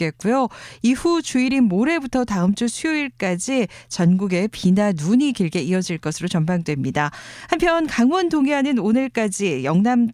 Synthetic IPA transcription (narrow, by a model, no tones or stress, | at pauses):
ke̞k͈ujoihut͡ɕuiɾimoɾe̞butʰʌtaɯmt͡ɕ͈usʰujoiɭk͈ad͡ʑit͡ɕʌnɡuɡe̞pinanuɲikiɭɡe̞iʌd͡ʑiɭk͈ʌsʰɯɾot͡ɕʌmbaŋdwe̞mɲidahampʰjʌnkaŋwʌntoŋeɦanɯnonɯɭk͈ad͡ʑijʌŋnam